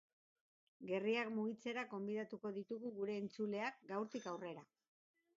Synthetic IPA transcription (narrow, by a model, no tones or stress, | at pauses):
ɡe̞riakmuɣit͡se̞ɾaɡo̞mbiðat̪uko̞ðit̪uɣuɣuɾe̞ːnt͡sule̞akɡawɾt̪ikawre̞ɾa